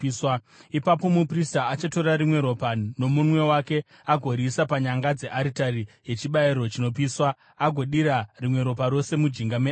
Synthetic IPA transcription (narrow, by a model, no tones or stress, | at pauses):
swa | ipapo̞mupristaːt͡ʃato̞rɾaɾimwe̞ɾo̞pano̞munwe̞wake̞ | aɡʱo̞ɾisapaɲaŋɡad͡ze̞ʔaɾitarije̞t͡ʃiɓaiɾo̞t͡ʃino̞piːswaː | ɡʱo̞ɗiɾarimwe̞ɾo̞paɾo̞se̞mud͡ʒiŋɡame